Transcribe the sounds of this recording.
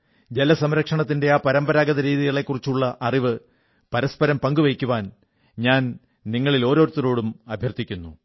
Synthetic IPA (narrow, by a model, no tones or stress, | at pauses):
d͡ʑelɐsɐmɾɐkʂɐɳɐt̪̬ːinde̞aːpɐɾɐmbɐɾaːɡɐðɐɾiːðiɣɐɭe̞kːurit͡ɕːuɭːɐʔɐriʋɨ | pɐɾɐspɐɾɐmpɐŋɡuʋɐjkʲːuʋaːn | ɲaːn | niŋːɐɭilo̞ːɾo̞ːɾut̪ːɐɾo̞ːɽumɐbʱjɐrt̪ːikʲːunːu